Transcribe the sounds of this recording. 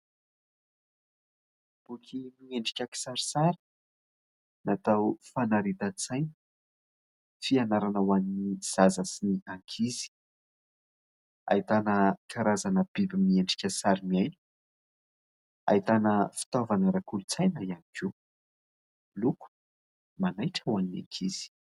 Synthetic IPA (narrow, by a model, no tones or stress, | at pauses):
b̥ukʰʲimieɳɖ͡ʐi̥kʲaki̥saɾisaɾi̥ | nat̪awfanaɾit̪at͡sajnə̥ | fianaɾanawanniz̥azəsiniaŋkʰizi̥ | a̰it̪anəkʰaɾazanəbibimieɳɖ͡ʐi̥kʲəsaɾimiajni̥ | a̰it̪anəfi̥t̪ovanəɾakulut͡sajnaianikiw | luku̥ | manajʈ͡ʂawanina̰ŋkʰiz̥i̥